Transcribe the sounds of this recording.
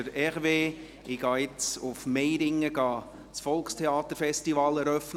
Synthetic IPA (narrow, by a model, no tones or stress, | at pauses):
əɾɛʁʋeː | ɪɡ̥ɑːɪt͡sʊfmejɾɪŋːəɡ̥ɑː | sfɔlkstʰeɑːt̪əɾfɛstivɑːlɛɾœfn